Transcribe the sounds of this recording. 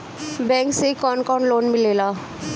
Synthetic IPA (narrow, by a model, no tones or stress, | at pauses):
bɛ̃ŋksekɔnkaɳloːnmilela